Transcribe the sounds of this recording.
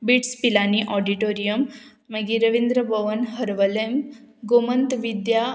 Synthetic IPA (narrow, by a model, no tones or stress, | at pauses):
biʈspilaniʔɔɖiʈoɾijəmː | əɡiɾəʋind̪ɾəbʱəʋənɦəɾʋəlemɡomənt̪ʋid̪ja